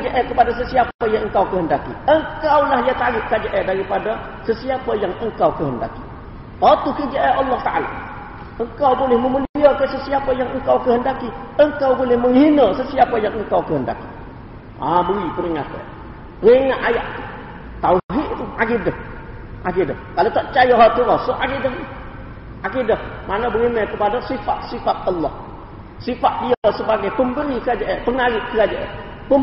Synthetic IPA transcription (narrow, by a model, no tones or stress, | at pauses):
d͡ʒəʔɛkəpadas̬əsiapajaəŋkawkəhəndakḭəŋkawlahjataɡɪt̚kad͡ʒəʔɛdaɡipada | səsiapajaŋəŋkawkəhənda̰ki̥ | at̪ukəd͡ʒeʔɛʔɑlːɔht̪aʔala̰ | əŋkawbolɪhməməluijəkəsəsiapajaŋəŋkawkəhəndakiəŋkawbolɪhməŋhinəsəsiapajaŋəŋkawkəhənda̰ki̥ | abəɾibəɾiŋat̪ḛ | ɾiŋaʔajaʔt | t̪aɦiʔt̪uaɡidə | ʔaɡidə̰kalot̪ɔʔt͡ʃajoɦɔt̪əɾasəʔaɡidə | ʔaɡidəmanəbəŋimekəpadəsifa̰t̪sifat̪̚əlːɔh | sifaʔ̪̚jəsəbaɡajpəmbəɾikad͡ʒəʔepəŋaɡɪkəɡad͡ʒəʔḛ | pəm